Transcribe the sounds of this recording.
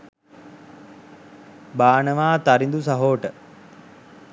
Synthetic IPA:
baːnəʋaːt̪aɾind̪usaɦoːʈə

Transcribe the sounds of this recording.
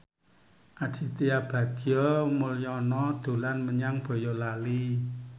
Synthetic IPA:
ʔaɖ̥i̤t̪iab̥ä̤ɡ̥ijɔmuljɔnɔd̪̥o̤lanməɲaŋb̥ɔ̤jɔlali

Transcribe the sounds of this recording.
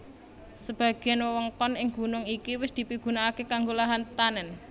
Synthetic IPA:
səb̥ä̤ɡ̥ɛnwəwɔŋkɔnɪŋɡ̥ṳnʊŋikiwɪsd̪̥i̤piɡ̥ṳnaːkekaŋɡolaɦant̪anɛn

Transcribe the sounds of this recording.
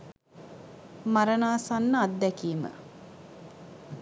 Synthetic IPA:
maɾənaːsanːad̪ːækiːmə̰

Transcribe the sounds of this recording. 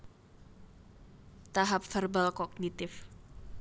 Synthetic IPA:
t̪aɦap̚fərbalkɔɡ̚nit̪ɪf

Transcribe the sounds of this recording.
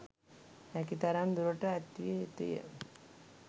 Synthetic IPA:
hɛkit̪aɾand̪uɾoʈəæt̪ʋijeɦet̪ṵjə̰

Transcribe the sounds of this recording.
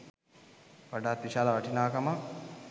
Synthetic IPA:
ʋaɖaːt̪ːiʃaːlaʋaʈinaːkama

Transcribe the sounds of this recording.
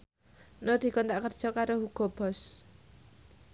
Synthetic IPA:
nɔd̪̥i̤kɔnt̪aʔkərd̥ʒ̥ɔkaɾohuɡ̥ɔ̤b̥ɔ̤s

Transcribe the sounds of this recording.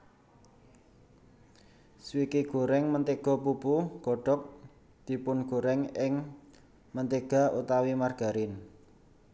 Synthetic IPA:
swikiɡ̥o̤ɾɛŋmənt̪eɡ̥ɔ̤pupuɡ̥ɔ̤ɖ̥ɔ̤k̚ | d̪̥i̤pʊnɡ̥o̤ɾɛŋɪŋ | mənt̪eɡ̥a̤ʔut̪awimarɡ̥a̤ɾɪn

